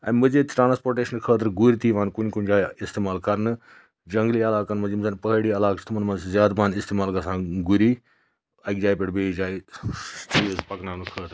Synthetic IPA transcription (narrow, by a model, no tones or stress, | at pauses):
ɐ̰ːmɨd͡ʒeːt̪ʈɾãːnspoːɾʈeːʃənkʰəːt̪̬ɾɡuɾit̪iːʋãːnkʊɲkʊnɲd͡ʒaːɪst̪eːmaːlkɐɾnɨ | d͡ʒɐŋɡliːɐlaːkɐnmɐd͡ʒimzanpəɦɽiːɐlaːkt͡ʃʰt̪ʰmɐnmɐnszjaːd̪baːnɪst̪eːmaːlɡɐsãːɡuɾiː | ɐkd͡ʒaːipɪʈbeːd͡ʒaːitizpɐknaːnkʰəːt̪ɾ